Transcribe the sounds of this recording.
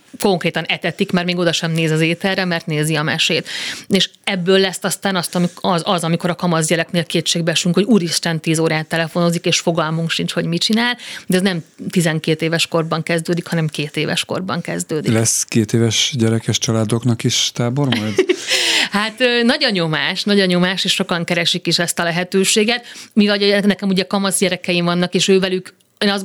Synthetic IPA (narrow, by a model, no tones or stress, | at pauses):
ko̞ŋkreːt̪ɒnɛt̪ɛt̪ikmɛrmeːɡo̞d̪ɒʃɛmneːzɒzeːt̪ɛrːɛmɛrt̪neːziɒmɛʃeːt̪eːʃɛbːøːlːɛsːɒst̪aːnɒst̪ɒiɒzɒzɒmiko̞ɾɒkɒmɒzɟɛlɛkneːlkeːt̪ʃeːɡ̚bɛʃyŋkho̞ɟuːɾiʃt̪ɛnt̪iːzoːɾaːt̪ːɛlɛfo̞no̞zikeːʃfo̞ɡɒlmuŋkʃint͡ʃho̞ɟmit͡ʃinaːld̪ɛznɛmt̪izɛŋkeːt̪eːvɛʃko̞rbɒŋkɛzd̪øːd̪ikhɒnɛmkeːt̪eːvɛ̰ʃko̞̰rbɒ̰ŋkɛ̰zd̪øːd̪ilɛskeːt̪eːvɛʃɟɛɾɛkɛʃt͡ʃɒlaːd̪o̞knɒkiʃt̪aːbo̞rmɒjd̪ | hat̪øːnɒɟoɲːo̞maːʃnɒɟoɲːo̞maːʃeːʃo̞kɒŋkɛɾɛʃikiʃɛst̪ɒlɛɦɛt̪øːʃeːɡɛt̪̚mivɒɟɒnɛkɛmuɟɛkɒmɒzɟɛɾɛkɛjimvɒnːɒkeːʃøːvɛlyk | eːnɒz